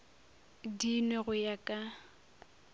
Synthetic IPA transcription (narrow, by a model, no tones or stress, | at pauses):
dinɛɣʊjakʼa